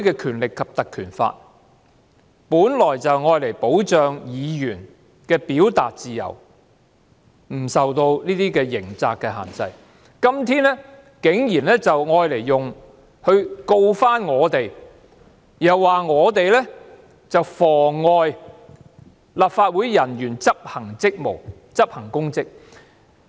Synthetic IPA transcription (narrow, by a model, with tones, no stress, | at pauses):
kɛː˧kʰyː˨˩nlɪ˨kʰːɐ˨p̚t̪ɐ˨kʰːyː˨˩nfa̰ː˧t̚ | puː˨˥nlɔː˨˩jt͡sɐ˨wŋɔː˧jle˨˩jpo˨˥wt͡ʃœː˨ŋjiː˨˧jyː˨˩n | kɛː˧piː˨˥wt̪a̰ː˨t̚t͡siː˨jɐ̰˨˩w | m̩˨˩sɐ˨wt̪o˧wniː˥t̪iː˥kɛː˧jɪ˨˩ŋt͡saː˧kːɛː˧ɦa̰ː˨˩nt͡sɐ̰˧j | kɐ˥mt̪ʰiː˥nɛ˥ | kɪ˨˥ŋjiː˨˩nlɛː˥t͡sɐ˨wŋɔː˧jle˨˩jːʊ˨ŋ | hɵ˧ɥko˧wfaː˥nŋɔː˨˧t̪e˨˩j | jɐ˨˩wːaː˨ŋɔː˨˧t̪e˨jlɛ˥ | t͡sɐ˨wfɔː˨˩ɔː˧j | laː˨p̚faː˧t̚wuː˨˥jːɐ˨˩njyː˨˩nt͡sɐ˥p̚hɐ˨˩ŋt͡sɪ˥k̚mo̰˨˩w | t͡sɐ˥p̚hɐ˨˩ŋkʊ˥ŋt͡sɪ˥k̚